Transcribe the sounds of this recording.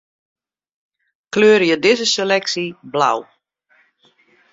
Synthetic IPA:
kløːɾəjədɪzəselɛksibla̰w

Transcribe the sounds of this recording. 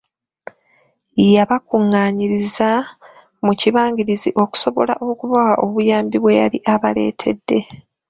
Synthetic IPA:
ijaβakuŋːaːɲiɾiza | muciβaːɲɟiɾiziʔo̞ku̥so̞βo̞̰la̰ʔo̞kuβawaʔo̞βujaːmbiβwe̞ja̰ɾiʔaβale̞̰ːtʰe̞̰dːe̞

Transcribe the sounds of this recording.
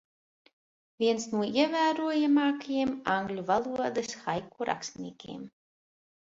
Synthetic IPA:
vʲiɛnsnuɔiɛvæːɾuɔjamɑːkajimaŋɡlʲuvalˠuɔd̪ɨsxajkuɾa̰kst̪nʲḭɛkʲḭːm

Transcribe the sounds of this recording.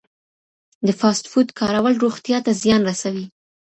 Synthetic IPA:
d̪əfɑst̪fud̪kʰɑɾawəlɾoɣt̪jɑt̪azjɑnɾasawi

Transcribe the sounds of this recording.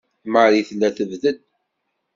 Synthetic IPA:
məɾiθlæθəvðəd̪

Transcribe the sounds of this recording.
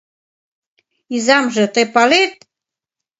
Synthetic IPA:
izɑmʒɤ̆t̪ɤpɑlet̪̚

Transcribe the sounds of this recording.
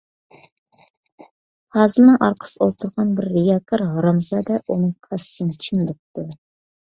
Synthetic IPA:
hɑːzɨlnɨŋʔɑɾqʰə̥sɨolˠt̪ʰʊɾʁɑnbɪɾːejɑkʰoɾʁɑɾɑmzɑːd̪ɛʔunɨŋqʰɑssɨnt͡ʃʰimd̪ɛp̚t̪u

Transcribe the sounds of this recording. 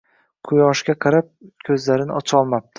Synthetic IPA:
qʰʊjɒʃkʲaqʰɑɾap̚kʲʰɵzlaɾɪnɪʔɒt͡ʃʰɒlˠmap̚t̪ʰɪ

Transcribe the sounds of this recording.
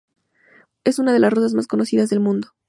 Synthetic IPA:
e̞sunað̞e̞lasrosazmasko̞no̞siðazðe̞lmũnd̪o

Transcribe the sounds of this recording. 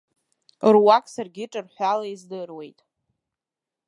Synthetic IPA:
rwakʼsarɡʲɪʈ͡ʂʼɨrħʷalaizdɨrwe̞jtʼ

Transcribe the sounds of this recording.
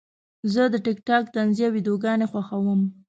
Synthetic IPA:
zəd̪əʈɪkʈɑk̚t̪anzijawid̪oɡɑnexwaxawəm

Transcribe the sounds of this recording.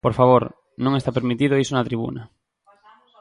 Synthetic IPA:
poɾfaβ̞oɾ | nõŋest̪apeɾmit̪iðoisonɐt̪ɾiβṵnɐ

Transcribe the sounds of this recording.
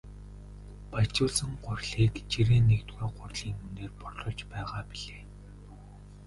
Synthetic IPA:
pat͡ɕʊːɮsə̆ŋɢʊrʲɮiːkt͡ɕiɾeːnːekt̪ɡuːɢʊrɮiːŋuneːrpɔɮɞ̆ɮt͡ɕpæːʁaːpiɮeː

